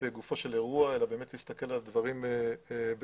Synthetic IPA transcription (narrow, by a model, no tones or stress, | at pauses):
eɡufo̞ʃe̞le̞ʁuae̞labe̞ːme̞t̪list̪ake̞lald̪vaʁimeb